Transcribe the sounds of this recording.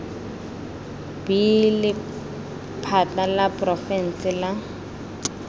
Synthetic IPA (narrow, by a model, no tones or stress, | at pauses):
b̥ilɪ | pʰatalapʼrɔfɛn̩sɪla